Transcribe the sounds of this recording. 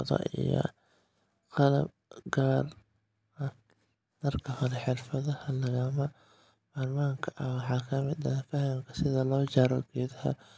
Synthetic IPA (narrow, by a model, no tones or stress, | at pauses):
ðɔ̰ʔḭjɔ̰ | qɑlɐ̰b̚ | ɡaːr | ɐ | d̪ɐrkʰɐhɔlɛħɪrfɐðɐhɐlɐɣɐmɐ | bɐːrmaːŋkʰɐʔɐwɑħɑːkʰɐmɪd̪ɐfɐhɐmkʰɐsɪðɐlɔːt͡ʃɐɾɔ̰ɡ̥ɛːðɐhɐ̰